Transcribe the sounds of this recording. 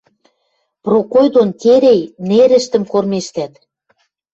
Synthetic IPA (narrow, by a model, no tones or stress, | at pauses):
prokojd̪ont̪ʲeɾejneɾɘ̆ʃt̪ə̆mkormeʃt̪æt̪